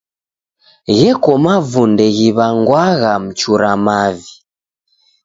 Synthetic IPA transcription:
ɣɛkɔmavundɛɣiβaŋɡwaɣam̩t͡ʃuɾamavi

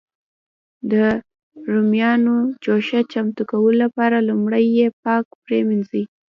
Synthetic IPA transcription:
d̪ə | ɾumjɑnot͡ʃoʃat͡ʃamt̪ukawəlolapɑɾalumɽəjːep̚ɑk̚pɾemɪnzi

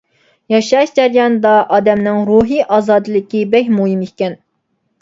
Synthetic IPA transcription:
jɑʃɑʃd͡ʒæɾjɑnd̪ɑʔɑːd̪ɛmnɪŋɾuɦiʔɑːzɑːd̪ɨlˠɪkʲibɛkʲmuɦimikʲɛn

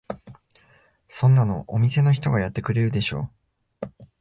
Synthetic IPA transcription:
sõ̞nːano̞̰ʔomʲise̞no̞çi̥t̪o̞ɡajat̪ːe̞kɯ̟ɾe̞ɾɯ̟d̪e̞ɕo̞̰ː

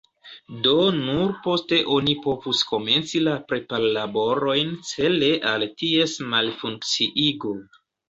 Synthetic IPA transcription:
do̞nuɾpo̞ste̞ʔo̞nipo̞vusko̞me̞nt͡silapɾe̞palːabo̞ɾo̞jnt͡se̞leʔaltie̞smalfuŋk̚t͡siʔiɡo

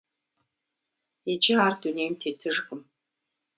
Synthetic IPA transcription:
ed͡ʒɪaːrduneːmtʰetʰɨʐɣɨm

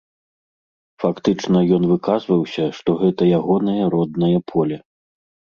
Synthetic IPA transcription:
fakt̪ɨt͡ʂnɐjɔnvɨkazvɐwsʲɐʂt̪ɔɣɛt̪ɐjaɣɔnɐjɐɾɔd̪̚nɐjɐpʰɔlʲɛ

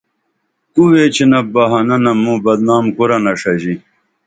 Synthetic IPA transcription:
kuwet͡ɕʰinɐbɐɦɐnɐnɐmũbɐd̪naːmkuɾɐnɐʂɐʑi

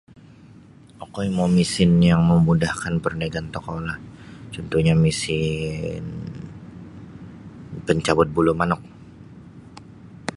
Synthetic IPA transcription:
ʔokoimomisɪnjaŋməmudahkanpərnəɡant̪okolaht͡ʃɔnt̪uhɲamisɪn | pəɲt͡ʃabʊt̪̚bulumanʊk̚

